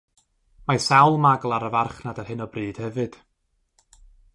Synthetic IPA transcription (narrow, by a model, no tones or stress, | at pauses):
masawlˠmaɡlˠaɾəvarχnadarhɨnɔbrɨːd̥hɛvɨd̥